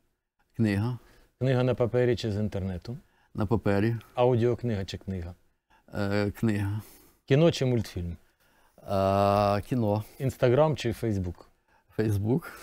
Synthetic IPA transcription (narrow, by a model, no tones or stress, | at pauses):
knɪɦɐ | knɪɦɐnɐpɐpɛɾʲit͡ʃɪzint̪ernɛt̪ʊ | nʔɐpɐpɛɾʲiɑwdʲiɔknɪɦɐt͡ʃɪknɪɦɐ | knɪɦɐ | kʲinɔt͡ʃɪmulʲt̪fʲilʲm | kʲinɔinst̪ɐɣɾɑmt͡ʃɪfɛjzbuk | fɛjzbuk